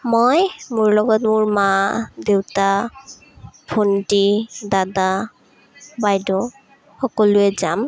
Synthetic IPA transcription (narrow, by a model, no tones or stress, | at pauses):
mɔjmʊɹlɔɡɔtmʊɹmadewta | pʰontidada | bajdɔ | xɔkɔlʊɛzam